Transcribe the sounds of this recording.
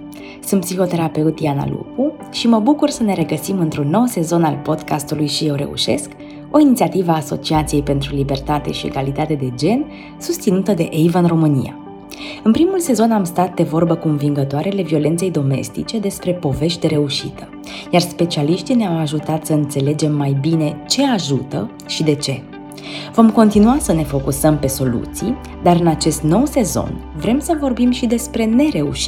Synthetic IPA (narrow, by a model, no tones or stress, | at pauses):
sunt̪̚psixo̞t̪e̞ɾape̞ut̪iana̰lṵku | ʃiməbukursəne̞ɾe̞ɡəsimɨnt̪ɾunːo̞wse̞zo̞nalpo̞d̪kast̪ulujʃije̞wɾe̞̰ṵʃe̞̰sk | o̞init̪siat̪ivəaːso̞̰t͡ʃiat̪sije̞jpe̞nt̪ɾulibe̞rt̪at̪e̞̰ʃie̞̰ɡalit̪at̪e̞d̪e̞d͡ʒe̞n | sust̪sinut̪əd̪e̞ʔejvəɨnro̞mɨnḭja̰ | ɨnpɾimulse̞zo̞namst̪at̪̚d̪e̞vo̞rbəkunviŋɡət̪oaɾeale̞vio̞le̞nt̪se̞jd̪o̞me̞̰st̪it͡ʃe̞d̪e̞spɾe̞po̞ve̞ʃt̪ʲeɾe̞uʃḭt̪ə̥ | jarspe̞t͡ʃialiʃt̪ineawaʒut̪at̪səɨnt̪se̞le̞d͡ʒe̞mːajbine̞t͡ʃe̞aʒut̪ə̰ | ʃid̪e̞t͡ʃe̞ | vo̞mko̞nt̪inuasəne̞fo̞kusəmpe̞so̞lṵt̪sḭj | d̪aɾɨnat͡ʃe̞st̪no̞wse̞zo̞̰nvɾe̞msəvo̞rbimʃid̪e̞spɾe̞ne̞ɾe̞ṵʃi